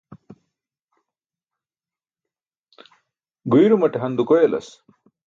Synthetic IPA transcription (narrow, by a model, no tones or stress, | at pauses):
ɡujɾumɐʈeɦɐnd̪ukojelɐ̰s